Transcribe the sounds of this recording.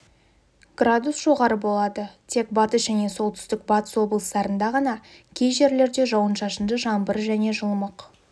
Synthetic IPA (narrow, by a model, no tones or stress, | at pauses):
ɡ̥rad̪usʒ̥o̞ʁɑɾəbo̞lˠɑd̪ət̪ʰe̞k̚bɑt̪əsʒæne̞so̞lˠt̪ʰʏ̥st̪ɪk̚bɑt̪ə̥swo̞blˠəst̪ɑɾənd̪ɑʁɑnɑ | kʲʰe̞jʒe̞ɾle̞ɾd̪e̞ʒɑwənʃɑʃənd̪əʒɑmbəɾʒæne̞ʒəlˠməq